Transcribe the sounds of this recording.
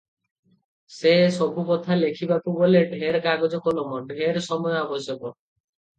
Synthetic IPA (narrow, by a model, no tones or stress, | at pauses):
sesɔbʱupɔt̪ʰalekʰibapuɡoleɖʱeɾkaɡɔd͡ʒɔkɔlɔmɔɖʱeɾsɔmɔjɔabɔsjɔkɔ